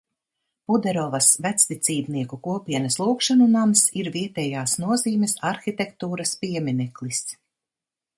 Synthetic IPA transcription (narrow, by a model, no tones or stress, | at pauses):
pud̪ɛɾɔvɐsvæt̪st̪it̪siːbniɛkukuɔpiɛnɐslˠuːkʃanunamsiɾviɛt̪ɛjaːsnuɔziːmʲɛsaɾxit̪ɛkt̪uːɾɐspiɛminɛklˠis